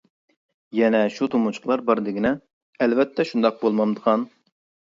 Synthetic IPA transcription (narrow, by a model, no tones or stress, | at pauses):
jɛnɛʃut̪ʰomut͡ʃʰʊ̥qlˠɑɾbɑɾd̪ɪɡʲinɛ | ɛlvɛt̪ʰːɛʃund̪ɑq̚bolˠmɑmd̪əʁɑn